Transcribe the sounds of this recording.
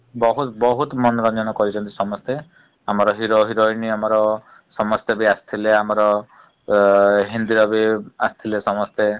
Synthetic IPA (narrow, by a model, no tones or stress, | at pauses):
bɔɦut̪bɔɦut̪mɔnɔɾɔnd͡ʒɔnɔkɔɾit͡ʃʰɔnt̪i̥sɔmɔst̪e | amɔɾɔɦiɾoɦiɾɔjniamɔɾɔ | sɔmɔst̪ebiast̪ʰileamɔɾɔ | ɦind̪iɾɔbiast̪ʰilesɔmɔst̪e